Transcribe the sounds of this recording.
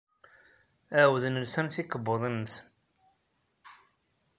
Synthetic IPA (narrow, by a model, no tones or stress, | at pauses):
æwəðənəlsænθikəbːoðˤənːəθ